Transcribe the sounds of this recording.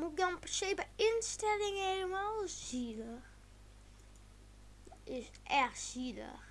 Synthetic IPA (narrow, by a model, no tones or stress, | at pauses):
mudɔnpɛrsejbəɪnstɛlɪŋeləmalˠziləx | ɪs | ʔɛxtsilə̰x